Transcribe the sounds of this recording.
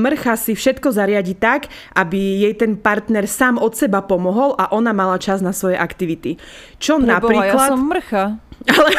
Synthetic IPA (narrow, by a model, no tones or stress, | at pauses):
mr̩xasifʃɛt̪kɔzaɾɪaɟit̪aɡ | ʔabijɛjt̪ɛnpaɾt̪nɛɾsaːmɔt̪sɛbapɔmɔɦɔlʔaʔɔnamalat͡ʃaznasʋɔjɛʔakt̪iʋit̪i | t͡ʃɔnabɾiːklat̪mr̩xaalɛ